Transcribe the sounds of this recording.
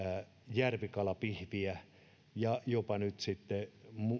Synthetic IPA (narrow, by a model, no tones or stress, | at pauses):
jærʋikɑlɑpihʋiæ | jɑjopɑnyt̪sit̪ːemu